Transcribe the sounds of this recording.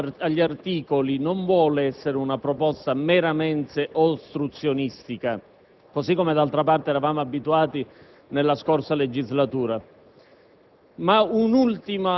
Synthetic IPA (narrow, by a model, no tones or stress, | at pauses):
aʎːiart̪iːkolinoɱvwɔːleɛsːeɾeunapɾɔpɔst̪ameɾamɛnt̪eʔost̪ɾut̪sːjonist̪ika | kosikːomed̪alt̪ɾapart̪eɛːɾavaːmoabːit̪uaːt̪i | nelːaskorsaled͡ʒizlat̪uːɾa | maunult̪ima